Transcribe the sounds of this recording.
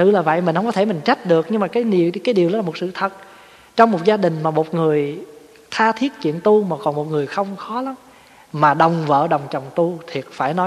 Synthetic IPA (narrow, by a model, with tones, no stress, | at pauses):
t̪ɨ̰˧˨laː˨˩və̰˧˨jmi˨˩ŋ̟hə˧wŋ͡mɔ˦˧t̪ʰe˧˩mi˨˩ŋ̟t͡ɕa˦˥jt̟̚ɗɨ˨˩ək̚ɲɨ˧ŋmaː˨˩kaː˨˦jkaː˨˦jɗi˨˩əwɗɔ˨˦laː˨˩mo˨˩t̚sɨ̰˧˨t̪ʰə˨˩t̚ | t͡ɕɔ˧wŋ͡mmo˨˩t̚zaː˧ɗï˨˩ŋ̟maː˨˩mo˨˩t̚ŋɨ˨˩əj | t̪ʰaː˧t̪ʰi˦˥ət̚t͡ɕḭ˧˨ənt̪u˧maː˨˩kɔ˨˩nmo˨˩t̚ŋɨ˨˩əjxə˧wŋ͡mxɔ˨˦la˨˦m | maː˨˩ɗə˨˩wŋ͡mvə̰ː˧˨ɗə˨˩wŋ͡mt͡ɕə˨˩wŋ͡mt̪u˧t̪ʰi˨˩ət̚faː˧˩jnɔ˨˦